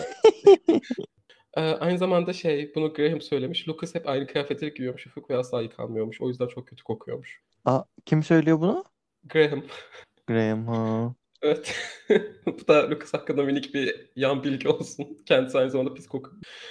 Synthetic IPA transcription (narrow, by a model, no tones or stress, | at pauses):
ʔɛːʔajnɯzamand̪aʃejbunuɡɾeɦimsø̞jlʲemiʃlʲukʰɯshɛpajnɯkʰɯjaːfet̪ʰeɛɟiɾijo̞ɾmuʃhufukvɛaslˠaːjɯkʰa̰lˠmɯjo̞ɾmuʃo̞̰jyzd̪ænt͡ʃʰo̞k̚cʰøt̪ʰy̥kʰo̞kʰujo̞̰ɾmuʃ | acʰimsø̞jlʲijobuna | ɡɾeɦim | ɡ̥ɾeimha | evɛt̪ | bud̪alʲukʰɯ̥shaklːɯnd̪aminicbijanbilʲɟio̞lˠsuncʰɛnd̪isajnɯzamand̪apʰiskʰo̞kʰujmu